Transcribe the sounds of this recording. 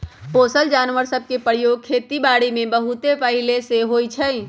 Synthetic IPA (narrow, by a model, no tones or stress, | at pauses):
poːsəld͡ʒaːnʋəɾsəb̚ʱkepəɾjoːɡ̚kʰeːt̪ibaːɽimẽbəɦʊt̪epəɦɪleseɦoːit͡ʃʰəi